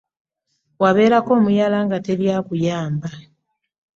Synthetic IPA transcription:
waβe̞ːɾako̞ːmujalaːŋɡate̞ljakujaːmba

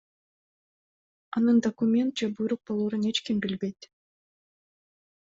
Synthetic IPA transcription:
ɑnɯnd̪ɐkʊmʲe̞nt̪̚d͡ʒebujɾuq̚bo̞lˠuːɾune̞t͡ʃkimbilbe̞jt̪

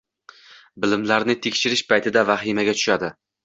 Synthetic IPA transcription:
bɪlɪmlaɾnɪt̪ʰekʲʃɪɾɪʃpʰajt̪ʰɪd̪avaχimaɡʲat̪ʰʊ̥ʃad̪ɪ

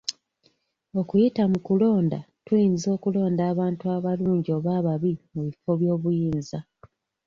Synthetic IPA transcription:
o̞kujitamukulo̞ːnda̰ | tujinzo̞ːkulo̞ːndaːβaːntuaβaluːɲɟio̞ːβaːβaβimuβifo̞βjo̞ːβujiːnza

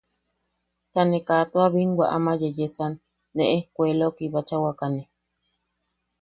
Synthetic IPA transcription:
t̪anekat̪oaβinwa̰ʔamajejesanː | eʔehkʷelokiβat͡ʃawakane

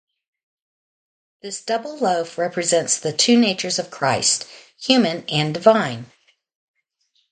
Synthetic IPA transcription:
ðɪsd̥ʌbl̩ˠloʊfɹɛpɹɨzɛ̃ntsðɨtʰʉneɪt͡ʃə˞zʌv̥kʰɹ̥aɪst̚hjʉmɨ̃nɨ̃ndɨvãɪ̃n

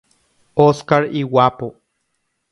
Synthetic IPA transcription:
oskaɾiwapo

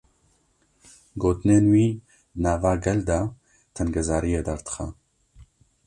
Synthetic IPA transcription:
ɡoːt̪ɨneːnwiː | naːvaːɡɛld̪a | t̪ʰɛnɡɛzaːɾijeːd̪aɾt̪ɨ̥xɛ̰

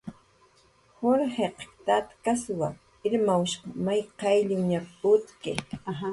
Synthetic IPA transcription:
hoɾheqt̪at̪kaswa | ɪɾmawʃqɑmajqɑjʎɪŋɲapʊt̪kea

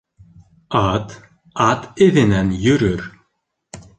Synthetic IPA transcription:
at̪ | at̪ɪðɪnɛnjʏɾʏɾ̥

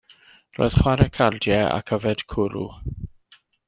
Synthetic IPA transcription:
ro̰ːɨðχwaɾɛkʰaldjɛa̰kʰəvɛd̥kʰʊɾṵ

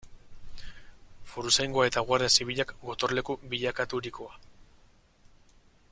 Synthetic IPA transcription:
foɾusajŋɡoae̞t̪aɣwaɾðesiβiʎakɡo̞t̪o̞ɾle̞kuβiʎakat̪uɾikoa

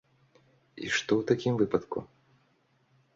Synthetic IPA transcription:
ḭʂt̪ɔwt̪akʲimvɨpɐt̪kṵ

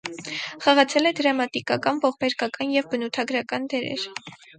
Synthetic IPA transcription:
χɑʁɑt͡sʰɛlɛd̪əɾɑmɑt̪ikɑkɑnvɔʁbɛɾkɑkɑnjɛvbənut̪ʰɑɡɾɑkɑnd̪ɛɾɛ̰ɾ

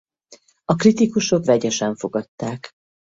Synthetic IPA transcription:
ɒkrit̪ikuʃo̞kvɛɟɛʃɛɱfo̞ɡɒt̪ːaːk

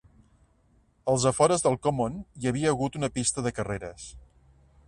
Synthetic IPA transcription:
əlˠzəfɔɾəzðəlˠkomonjəβ̞iəːɣut̪unəpist̪əðəkəreɾəs

